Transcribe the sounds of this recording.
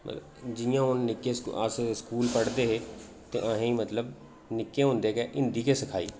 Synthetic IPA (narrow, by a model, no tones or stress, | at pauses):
mə̰ | d͡ʒɪjãːʊnːɪkːeːsasskuːlpəɽd̪eːɦeː | t̪ḛːʔãɦẽːmət̪ləb | nɪkːẽːɦõːnd̪eːkeːʔɪ̃nd̪iːkeːsəkʰaːiː